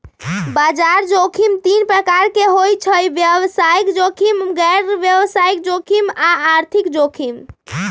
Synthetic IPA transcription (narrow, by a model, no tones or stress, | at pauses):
bad͡ʒaɾd͡ʒokʰimt̪inpɾəkaɾkeɦojt͡ʃʰəjbjəʋsaikd͡ʒokʰimɡɛɾʋjəʋsaik̚d͡ʒokʰimaaɾt̪ʰikd͡ʒokʰim